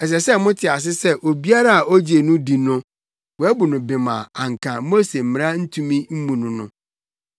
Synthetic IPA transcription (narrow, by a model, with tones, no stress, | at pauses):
ɛ˨s̬ɛ˨sɛ˦mʊ̃˦tʰɪ˨a˨s̬ɪ˦sɛ˦ʔo˨bi˦a˦ɾa˦a˨o˦d͡ʑe˨nʊ̃˦di˨nʊ̃˦ | wɔ˨æ˦bu˨nʊ̃˨bɪ˨mã̰˨a˨ŋ̩˨kʰã˨mo˦se˨m̩˨ɪ̃˨ɾa˦n̩˦tʰũ˦mĩ˦m̩˦mũ˨nʊ̃˨nʊ̰̃˦